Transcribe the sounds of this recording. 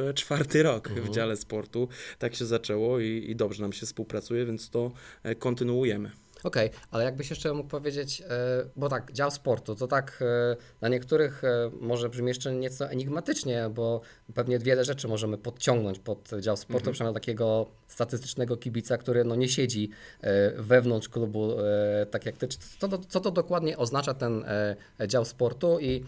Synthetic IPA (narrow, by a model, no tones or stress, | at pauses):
t͡ʂfaɾt̪ɘɾɔkvd͡ʑalɛspɔɾt̪ut̪akɕɛzat͡ʂɛwɔiḭd̪ɔbʐɛnamɕɛfspuwpɾat̪sujɛvʲjɛnt̪st̪ɔkɔnt̪ɘnuujɛmɘ̰ | ɔkɛjalɛjaɡ̚bɘɕjɛʂt͡ʂɛmuk̚pɔvʲjed͡ʑet͡ɕbɔt̪aɡd͡ʑawspɔɾt̪ut̪ɔt̪aknaɲɛkt̪uɾɘxmɔʐɛbʐɘmʲjɛʂt͡ʂɛɲɛt̪sɔʔɛɲiɡmat̪ɘt͡ʂɲɛbɔ | pɛvɲɛvʲjɛlɛʐɛt͡ʂɘmɔʐɛmɘpɔt̪t͡ɕɔ̃ŋɡnɔɲt͡ɕpɔt̪d͡ʑawspɔɾt̪upʂɛmʲt̪akʲɛɡɔ | st̪at̪ɘst̪ɘ̥t͡ʂnɛɡɔkʲibʲit̪sakt̪uɾɘnɔɲɛɕɛd͡ʑi | vɛvnɔntʂklubut̪akʲjak̚t̪ɘ̥t̪ɔɔt̪sɔt̪ɔd̪ɔkwad̪ɲɛʔɔznat͡ʂat̪ɛn | d͡ʑawspɔɾt̪ui